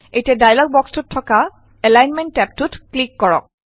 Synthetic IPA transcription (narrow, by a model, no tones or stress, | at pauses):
ejtiɛdajlɔɡ̚bɔkstutʰːɔka | ɛlajnmɛntːɛp̚tutklikːɔɹɔ̰k̚